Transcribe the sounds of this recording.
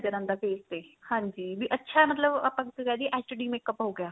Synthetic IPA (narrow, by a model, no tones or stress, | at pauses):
d͡ʒəɾə̃nd̪aːpeːst̪eːhãːɲd͡ʒiːbiːʔətːʃʰaːmət̪ləbapãkkɛːd̪iʔɛːsʈəɖiːmeːkəpɦoːɡɪjaː